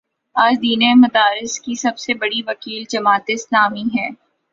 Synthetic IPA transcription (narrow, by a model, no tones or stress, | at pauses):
aːd͡ʒd̪iːnemɐd̪aːɾɪskisɐbsebɐɽiʋɐkiːld͡ʒɐmaːt̪eslaːmiɦɛ̃ː